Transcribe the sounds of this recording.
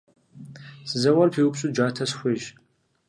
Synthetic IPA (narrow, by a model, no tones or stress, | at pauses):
sɨzɐwɐrpʰiːwʊpɕʼud͡ʒʷaːtʰɐsxʷeʒ